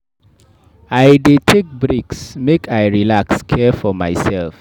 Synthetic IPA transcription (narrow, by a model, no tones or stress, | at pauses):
ajdetʰek̚bɹiksmekʰaɪɹilakskʰɛfɔma̰ɪsɛlf